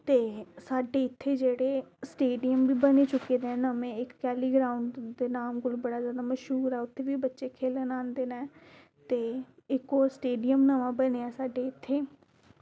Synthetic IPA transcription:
t̪eːsaːɖeːɪt̪ʰːeːd͡ʒeːɽeːsʈeːɖijəmbiːbəneːt͡ʃʊkːeːd̪enəmẽːɪkːɛːliːɡɾaːʊɳɖd̪eːnaːmɡʊlbəɽaːzjaːd̪aːməʃɦuːɾɛːʊt̪ʰːeːʋiːbətːʃeːkʰeːlənaːnd̪eːnɛ̃ː | t̪eːɪkoːsʈeːɖijəmnəʋãːbəneːɛːsaːɖeːɪt̪ʰːeː

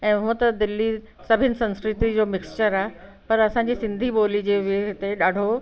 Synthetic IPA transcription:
ɛ̃ːɦʊ̃ə̃t̪ɐd̪ɪlːi | sɐbʱɪnɪ̆sɐ̃nskɾɪt̪id͡ʑoːmɪkst͡ɕəɾaːɦe | pɐɾɐsãɲd͡ʑisɪ̃nd̪ʱiɓoːlid͡ʑeːʋɪɦɪt̪eɗaːɖ̤ʱo

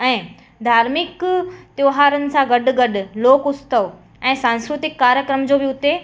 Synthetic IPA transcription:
ɛ̃ː | d̪ʱaːɾmɪkt̪joːɦaːɾənɪ̆sãɡɐɗʊ̆ɡɐɗʊ̆loːkʊst̪əʋ | ɛ̃ːsãːnskɾʊt̪ɪkːaːɾjəkɾəmd͡ʑoːbɪʊt̪e

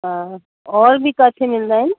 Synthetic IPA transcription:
ɦã | ɔɾbʱikat͡ʃʰemild̪an

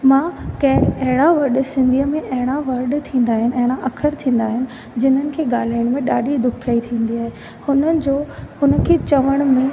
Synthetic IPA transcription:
mãːkɐɦɐɦɪɽ̃aʋɐɾɗsɪ̃nd̪ʱiəmẽʔɐɦɪɽ̃aʋɐɾɗt̪ʰĩːn̆d̪aːɦɪnɪ̆ɐɦɪɽ̃aʔɐkʰəɾt̪ʰĩːn̆d̪aːɦɪnɪ̆ | d͡ʑɪn̤ənɪ̆kʰeːɡaːl̤aːɪəɽ̃mẽɗaːɗid̪ʊkʰaːit̪ʰĩːn̆d̪iaːɦe | hʊnəɪ̆d͡ʑoːhʊnə̆kʰeːt͡ɕɐʋəɽ̃ʊ̆mẽ

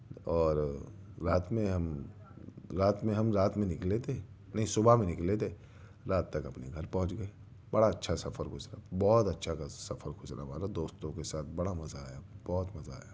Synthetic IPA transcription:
ɔːɾɾaːt̪mẽɦɐm | ɾaːt̪mẽɦɐmɾaːt̪mẽnɪklet̪e | nɐɦĩsʊbʱamẽnɪklet̪e | ɾaːt̪ːɐkɐpneɡʱɐɾpɐ̃ɦʊ̃t͡ʃɡɐe | bɐɽaɐtːʃʰasɐfəɾkʰʊsɾabɔːt̪ɐtːʃʰakasɐfəɾɡʱʊsɾa̰ʋa̰ːɾad̪oːst̪õkesaːt̪ʰbɐɽamɐzaaːjab̥ɔːt̪mɐzaa̰ːja

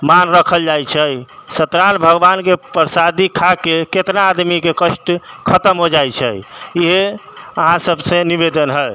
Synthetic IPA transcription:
manɾəkʰəld͡ʒajt͡ʃʰəsət̪ɾanbʱəɡbankepəɾsad̪ikʰakeket̪naːd̪mikekəʃʈkʰət̪əmɦod͡ʒajt͡ʃʰɛ̰iɦeəɦãsəbsẽniβed̪ənɦəj

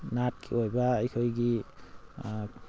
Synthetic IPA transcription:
nat̚kʰiɔjbaːjkʰɔjɡi

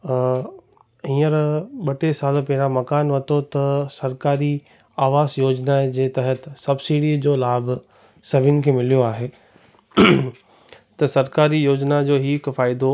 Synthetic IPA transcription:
ĩːəɾɓɐʈʰesaːlpɐɦɪɽ̃ãmɐkaːnʋɐt̪ʰot̪ɐsɐɾkaːɾi | aːʋaːzjoːd͡ʑnad͡ʑeːt̪ɐɦət̪sɐbsiːɽiːd͡ʑoːlaːb | sɐbʱɪnɪ̆kʰeːmɪlijoaːɦeː | t̪ɐsɐɾkaːɾijoːd͡ʑnad͡ʑoːɦiːkfaːɪd̪o

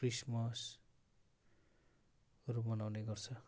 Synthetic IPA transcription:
krismʌs | ʌɾumʌnawneɡʌrt͡sʰʌ

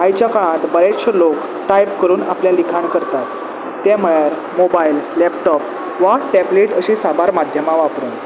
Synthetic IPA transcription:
ajt͡ɕjakaɭ̃ãt̪bəɾeɕʰəlok | ʈajpkəɾuːnapljalikʰaɳkəɾt̪at̪ː | jeməjəɾ | mobajlːɛpʈɔp | ʋaʈɛbleʈəɕisabaɾmad̪ʱjəmaʋapɾən

